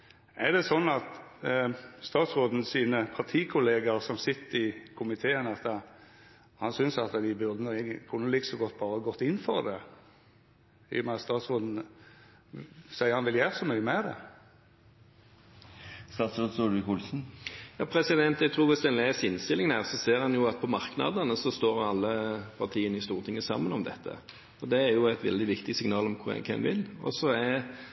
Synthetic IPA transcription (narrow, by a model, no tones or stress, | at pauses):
ɛʁd̪ɛsɔnːɑt̪ | st̪ɑːt̪sʁoːd̪n̩siːnəpʰɑʁt̪ʰiːkʰʊleːɡɑʁsɔmsɪt̪ːəɪkʰʊmɪt̪ʰeːənɑt̪ | hɑnsʏnsɑt̪d̪ɪbʉɾd̪ənʊekʰʉnːəlɪkə̥sɔɡɔt̪ːbɑːʁəɑɡɔt̪ːɪnːfɔʁd̪ɛ̰ | ɪ̰jɔmæɑt̪st̪ɑːt̪sʁoːd̪n̩ | sæɪəʁhɑnʋɪljæːʁəsɔmyːəmɛd̪ɛ̰ | st̪ɑːt̪sɾoːd̪suɾʋɪkʊlsn̩jɑ̰ːpʰɾɛsɪd̪ɛnt̪ɛɡt̪ʰɾuːʁʋɪsd̪ɛnleːsɪnst̪ɪlɪŋnæːʁsɔseːʁhɑnjʊɑt̪̚pʰɔmɑɾknɑ̰d̪ənəsɔst̪oːɾɑlːəpʰɑʁt̪ʰiːənəɪst̪uːʁət̪ʰɪŋːəsɑ̰mːənɔmd̪ɛt̪ʰːə̰ | ɔd̪ɛæɾjʊæɪt̪ʋɛ̰ld̪ɪʋɪkt̪ɪsɪŋnɑːlɔmkʰʊɛ̰kʰɛ̰mʋɪlːɔ̰sɔɛ